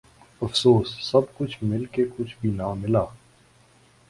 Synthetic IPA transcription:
ɐfsoːsːɐbkʊt͡ʃʰmɪlkekʊt͡ʃʰbʱinamɪlaː

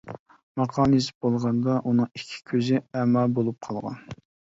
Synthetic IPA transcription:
mɑqʰɑːmis̬ɪ̥p̚bolˠʁɑnd̪ɑʔunɨŋikʲʰːi̥kʲʰøzɪɛmɑbolˠup̚qʰɑlˠʁɑ̰n

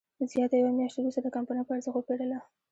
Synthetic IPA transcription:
zjɑt̪ajawamjɑʃt̪eɾust̪ad̪əkɑmpanapəaɾzəxopeɽəla

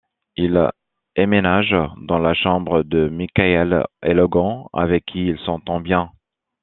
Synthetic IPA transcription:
il | emenaʒd̪ɑ̃laʃɑ̃bʁəd̪əmikaɛlḛlɔɡɑ̃a̰vɛkʰːiːlsɑ̃t̪ɑ̃bjɛ̃

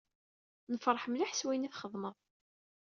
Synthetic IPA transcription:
nəfɾˤħmlaħswæjniθχəðˤməðˤ

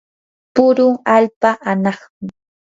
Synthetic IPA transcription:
pʊɾʊŋaʎpaʔanɑχmɪ

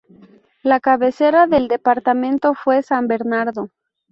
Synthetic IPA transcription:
lakaβe̞se̞ɾaðe̞ld̪e̞paɾt̪amẽnt̪o̞fwe̞sambe̞ɾnaɾðo̞

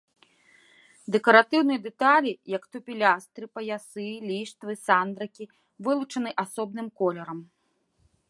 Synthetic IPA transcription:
d̪ɛkɐɾat̪ɨwnɨjɐd̪ɛt̪alʲijɐkt̪upʲilʲast̪ɾɨpɐjasɨlʲiʂt̪vɨsand̪ɾɐkʲi | vɨlˠut͡ʂɐnɨʔasɔb̚nɨmkɔlʲɛɾɐm

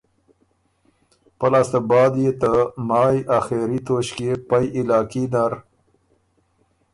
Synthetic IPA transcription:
pəlaːst̪əbɑːd̪jet̪əmɑːjʔaxeɾit̪oɕkepajʔilɑːkinaɾ

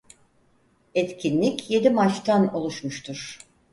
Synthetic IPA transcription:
ɛt̪cʲʰinlʲicje̞d̪imat͡ʃt̪ʰano̞lˠuʃmuʃt̪ʰuɾ̥

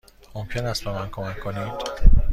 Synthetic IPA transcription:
mo̞mcʰe̞næst̪̚be̞mænkʰo̞mækʰːonid̪̥

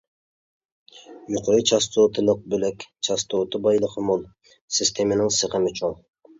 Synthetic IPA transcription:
juqʰoɾit͡ʃʰɑs̬t̪ot̪ʰɨlˠəq̚bølɛkʲt͡ʃʰɑst̪ʰot̪ʰɨbɑjlˠəqʰəmolˠ | sɪst̪ʰemɪnɪŋsəqəmɪt͡ʃʰoŋ

